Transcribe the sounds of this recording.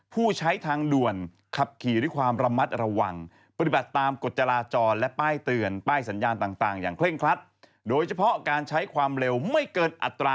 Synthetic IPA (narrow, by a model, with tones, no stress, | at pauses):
pʰuː˥˩t͡ɕʰa˦˥jt̪ʰaː˧ŋdu˨˩ən | kʰa˨˩p̚kʰiː˨˩ɾɯ˦˥˩kʰwaː˧mɾa˧ma˦˥t̪̚ɾa˧wa˧ŋ | pa˧t̪i˨˩ba˨˩t̪ːaː˧mko˨˩t̪̚t͡ɕa˧laː˧t͡ɕɔː˧nlɛ˦˥ʔpaː˥˩jt̪ɯ˧ənpaː˥˩jsa˩˦njaː˧nt̪aː˨˩ŋt̪aː˨˩ŋjaː˨˩ŋkʰle˥˩ŋkʰɾa˦˥t̪̚ | doː˧jt͡ɕʰa˧pʰɔ˦˥kaː˧nt͡ɕʰa˦˥jkʰwaː˧mɾe˧wma˥˩jkɤː˧nʔa̰˨˩t̪ːɾaː˧